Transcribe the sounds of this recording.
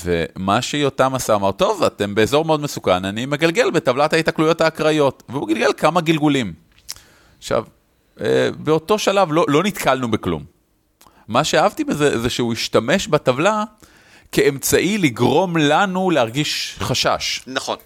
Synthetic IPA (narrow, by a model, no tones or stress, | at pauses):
ve̞̰maʃejotamasaːmaʁt̪o̞vate̞mbe̞ezo̞ʁmeo̞d̪mesukananime̞ɡalɡe̞lbetavlathaitaklujo̞thaːkʁajo̞tveuɡalɡe̞lkamaɡilɡulim | χʃa̰v | ḛbeo̞to̞ʃalavlo̞lo̞nit̪kalnubeklṵmː | aʃeaɦavt̪ibezezeʃeuiʃtame̞ʃbatavla | keemt͡saʔiliɡʁo̞mlanulehaʁɡiʃχaʃa̰ʃnaχon